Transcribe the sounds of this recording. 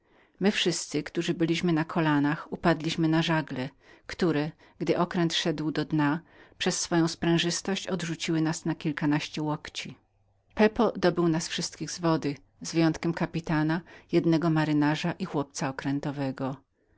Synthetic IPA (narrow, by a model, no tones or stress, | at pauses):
mɘfʂɘst̪sɘkt̪uʐɘbɘlʲiɕmɘnakʰɔlanaxupad̪lʲiɕmɘnaʐaɡlɛkt̪uɾɛ | ɡ̥d̪ɘʔɔkɾɛnt̪ʂɛd̪wd̪ɔd̪ɲapʂɛsːfɔjɔ̃w̃spɾɛ̃w̃ʐɘst̪ɔɕt͡ɕɔd̪ʐut͡ɕiwɘnasnakʲilkanaɕt͡ɕɛwɔkt͡ɕi | pɛpɔd̪ɔbɘwnasfʂɘst̪kʲiɣzvɔd̪ɘ | zvjɔnt̪kʲɛmkapʲit̪anajɛd̪nɛɡɔmaɾɘnaʐaʔixwɔp̚t̪saɔkɾɛnt̪ɔvɛɡɔ